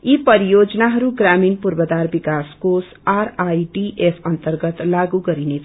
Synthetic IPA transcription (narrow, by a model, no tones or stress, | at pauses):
ipʌɾijod͡znaɦʌɾuɡɾaminpurbəd̪aɾbikaskos | aɾajɖiʔepʰʌnt̪ərɡʌt̪laɡuɡʌɾine